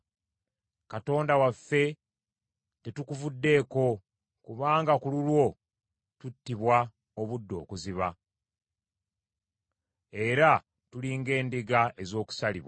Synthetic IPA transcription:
kato̞ːndawafːe̞ | tetukuvudːe̞ːko̞ | kuβaːŋɡakululwo̞ | tutːiβwa | oβudːo̞ːkuziβa | e̞ɾa | tuliːŋɡe̞ːndiɡae̞zo̞ːku̥saliβwa

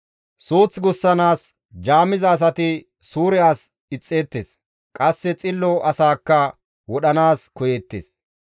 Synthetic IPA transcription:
suːt͡sɡʊsːɐnaːs | d͡ʒaːmɪzɐːs̬ɐt̪ɪ | suːɾɛjaːs | ɪt͡sʼːeːt̪ːeːs | kʼɐsːɛt͡sʼɪlːɔʔɐsaːkːɐ | wɔɗɐnaːskɔjɛt̪ːḛs

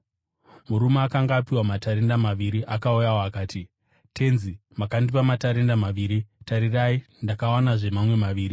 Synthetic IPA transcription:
muɾumeakaŋɡaːpiwamataɾe̞ndamaʋiɾiʔakaujawoakaːti | tʰe̞nzimakandipamataɾe̞ndamaʋiːɾitaɾirai | ndakawanaʐe̞mamwe̞maʋiːɾi

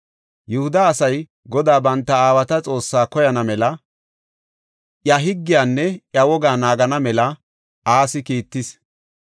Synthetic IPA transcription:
jʊhʊd̪ɐːsɐj | ɡɔd̪aːbɐnt̪ːɐaːwɐt̪ɐt͡sʼo̞ːsːaːkɔjɐnɐmɛlɐ | ʔjɐɦɪɡːɪjaːnːɛʔjɐwɔɡaːnaːɡɐnɐmɛlɐ | ʔaːsɪkiːt̪ːɪs

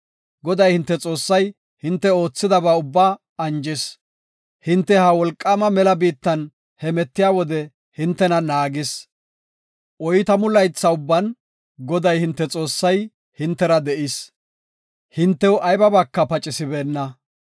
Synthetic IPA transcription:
ɡɔd̪ɐjhɪnt̪ːɛt͡sʼo̞ːsːɐj | hɪnt̪ːɛo̞ːt͡sːɪd̪ɐbaːʊbːaː | ɐnd͡ʒɪs | hɪnt̪ːɛhɐwɔlkʼːaːmɐmɛlɐbiːt̪ːɐn | hɛmɛt̪ːɪjaːwɔd̪ɛ | hɪnt̪ːɛnɐnaːɡɪs | ʔɔjɪt̪ɐmʊlɐjt͡sːɐʊbːɐn | ɡɔd̪ɐjhɪnt̪ːɛt͡sʼo̞ːsːɐj | hɪnt̪ːɛɾɐd̪ɛʔɪs | hɪnt̪ːɛwʔɐjbɐbɐkːɐpɐt͡ʃʼɪsɪbeːnːɐ

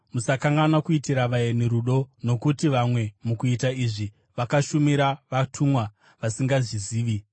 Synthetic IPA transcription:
musakaŋɡanakuitiɾaʋajeneɾuɗo̞no̞kutiʋamwe̞mukuitaiʐi | ʋakaʃumiɾaʋatʰumwa | ʋasiŋɡaʐiziːʋi

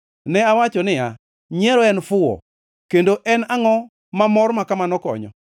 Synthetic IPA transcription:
nɛawat͡ʃɔnɪja | ɲɛɾɔɛnfʊɔ̰ | kendoʔɛnaŋɔ | mamɔrmakamanɔkɔ̰ɲɔ̰

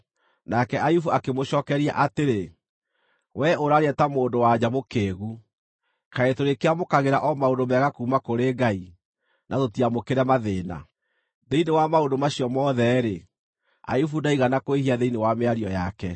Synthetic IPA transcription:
nakɛʔajufuakemoɕɔːkɛɾia̰ʔateɾe | wɛʔoɾaɾeɛtamoːndowad͡ʑamokeːɣu | kaetoɾekeamokaɣeɾaʔɔmaodomɛɣakuːmakoɾeːɡai | nʔatotiamokeɾɛmaðeːna̰ | ðeinewamaondomaɕiɔmɔðɛɾe | a̰jufudaiɣanakoehiaðeinewameaɾiɔjakɛ

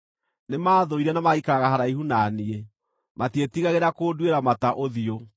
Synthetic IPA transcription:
nemaːðoiɾɛnamaikaɾaɣaɦaɾaiɦunaːnie | matietiɣaɣeɾakoːdweɾamataʔoðio

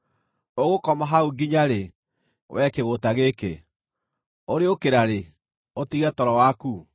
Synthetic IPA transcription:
oɣokɔmaɦauɡiɲaɾe | wʔɛkeɣotaɣeke | oɾeokeɾaɾe | otiɣɛtɔɾɔwaku

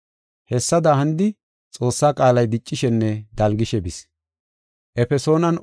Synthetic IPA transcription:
hɛsːɐd̪aːhɐnd̪ɪ | t͡sʼo̞ːsːaːkʼaːlɐjd̪ɪt͡ʃʼːɪʃɛnːɛd̪ɐlɡɪʃɛbɪs | ʔɛfɛso̞ːnɐn

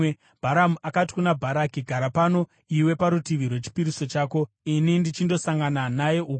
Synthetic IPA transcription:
bʱaɾamuʔakati̥kunabʱaɾakiɡʱaɾapano̞ | iwe̞paɾutiʋirwe̞t͡ʃi̥piɾiso̞t͡ʃaːko̞ | inindit͡ʃindo̞saŋɡananaje̞ʔuk

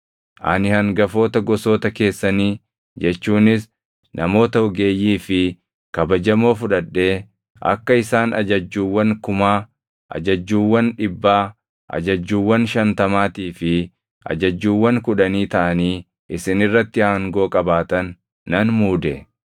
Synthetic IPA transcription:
ʔɐ̰nɪhɐŋɡɐfo̞ːt̪ɐɡɔso̞ːt̪ɐke̞ːsːɐniː | d͡ʒɛt͡ʃːuːnɪs | nʔɐmo̞ːt̪ɐɔɡe̞ːjːiːfɪ | kɐbɐd͡ʒɐmo̞ːfʊᶑɐᶑːe̞ː | ʔɐ̰kːɐɪsaːnɐ̰d͡ʒɐd͡ʒːuːwːɐŋkʊmaː | ʔɐ̰d͡ʒɐd͡ʒːuːwːɐnᶑɪbːaː | ʔɐ̰d͡ʒɐd͡ʒːuːwːɐnʃɐnt̪ɐmaːt̪iːfɪ | ʔɐ̰d͡ʒɐd͡ʒːuːwːɐŋkʊᶑɐniːt̪ɐʔɐniː | ʔɪsɪnɪrːɐt̪ːɪaːŋɡo̞ːkʼɐbaːt̪ɐnː | ɐnmuːd̪ɛ

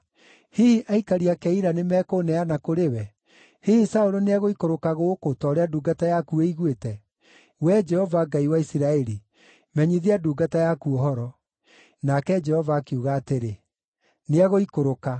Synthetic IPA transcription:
hihiʔaikaɾiakɛiɾanemɛːkonɛanakoɾewɛ | hihisaoɾoneaɣoikoɾokaɣokotɔɾeaduːɡatajakueiɣwetɛ | wɛd͡ʒɛhɔvaɡaiwaisiɾaɛɾi | mɛɲiðiaduːɡatajakuɔhɔɾɔ | nakɛd͡ʒɛhɔvaːkeuɣaːteɾe | neaɣoikoɾoka

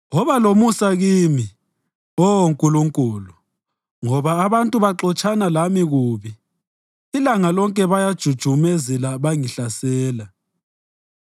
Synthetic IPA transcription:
wɔβalomusaɣiːmi | oŋkʼuluŋkʼuːlu | ŋɔβaːβantʼuβaǁɔt͡ʃʼanalamiɣuːβi | ilaŋalɔŋkʼɛβajad̥ʒ̥ʱud̥ʒ̥ʱumɛzɛlaβaŋiɬasɛːla

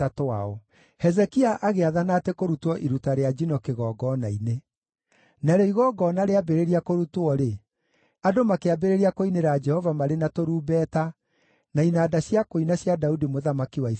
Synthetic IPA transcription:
atoaɔ | hɛzɛkiaʔaɣeaðanatɛkoɾutɔʔiɾutaɾead͡ʒinɔkeɣɔːɡɔnaine | naɾɛiɣɔɡɔːnaɾeabeɾeɾiakoɾutwɔɾe | adomakeabeɾeɾiakoineɾad͡ʒɛhɔvamaɾenatoɾuːbɛta | nainaːdaɕjakoinaɕjadaudimoðamakiwai

